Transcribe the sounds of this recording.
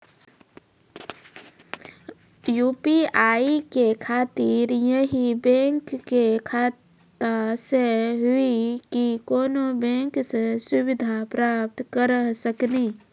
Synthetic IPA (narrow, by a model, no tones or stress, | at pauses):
juːpiaːikekʰaːt̪iɾjəɦibẽŋkːekʰaːt̪ | əseɦʊikikoːnobẽŋksesʊbɪd̪ʱapɾaːp̚t̪kəɾsəkni